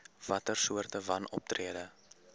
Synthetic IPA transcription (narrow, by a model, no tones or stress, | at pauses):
vɐtərsuərtəvɐnɔ̰p̚triədə